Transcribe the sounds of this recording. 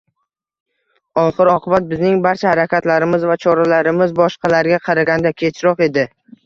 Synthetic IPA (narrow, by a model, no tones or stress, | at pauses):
ɒχɨɾɒqʰɨbat̪̚bɪznɪŋbaɾt͡ʃʰahaɾakʲat̪laɾɪmɪzvat͡ʃʰɒɾalaɾɪmɪzbɒʃqʰɑlaɾɡʲaqʰɑɾaɡʲand̪akʲʰe̞t͡ʃʰɾɒqe̞d̪ɪ